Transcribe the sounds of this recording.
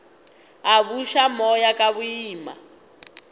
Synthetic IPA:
aβuʃamɔjakʼaβuiːma̰

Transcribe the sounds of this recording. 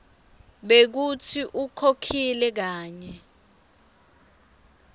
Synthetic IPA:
ɓek̬utʰiʔukʰokʰilɛk̬aːɲɛ

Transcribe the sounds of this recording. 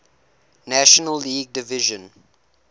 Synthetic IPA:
næʃɔnəlːiːɡ̚dɪvɪʒə̃n

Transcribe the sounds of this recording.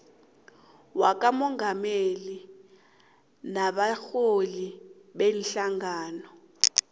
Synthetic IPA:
wak̬ʼamɔŋɡʱameli | naɓaxoli | ɓenɬaŋaːnɔ

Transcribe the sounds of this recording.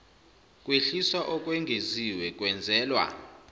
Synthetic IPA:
kʼweɬiswaʔɔkʼweŋɡʱeziwɛkʼwɛnd͡zʱɛːlwa̰

